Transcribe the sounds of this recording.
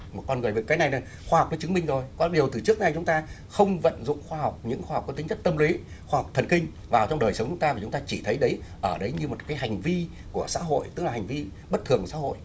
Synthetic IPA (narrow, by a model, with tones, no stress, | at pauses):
m̚˨˩kɔ˧nŋɨ˨˩əjve˨˩kaː˨˦jna˨˩jna˨˩ | xwaː˧hk͡p̚nɔ˨˦t͡ɕɨ˨˦ŋmï˧ŋzo˨˩jkɔ˨˦ɗi˨˩əwt̪ɨ˨˩t͡ɕɨ˦˥ək̚na˨˩jt͡ɕʊ˨˦ŋ͡mt̪aː˧ | xə˧wŋ͡mvə̰˧˨nzʊ̰˧˨ŋ͡mxwaː˧ɦɔ˨˩wk͡p̚ɲɨ̰˧˥ŋxwaː˧a˨˩k͡p̚kːɔ˧˦t̪ï˨˦ŋt͡ɕə˦˥t̚t̪ə˧mli˨˦ | xwaː˧hk͡p̚t̪ʰə˨˩nkï˧ŋ̟ | vaː˨˩wt͡ɕɔ˧wŋ͡mɗəː˨˩jsə˨˦wŋ͡mt͡ɕʊ˨˦ŋ͡mt̪aː˧a˨˩t͡ɕʊ˨˦ŋ͡mt̪aː˧t͡ɕi˧˩t̪ʰə˨˦jɗə˨˦jʔəː˧˩ɗə˨˦jɲɨ˧mo˨˩t̚kaː˨˦jɦa˨˩jŋ̟vi˧ | ku˧˩əsa̰ː˧˥ɦo̰˧˨jt̪ɨ˦˥la˨˩a˨˩ŋ̟vi˧ | ɓə˦˥t̪̚ʰɨ˨˩əŋsa̰ː˧˥ho̰˧˨jʔ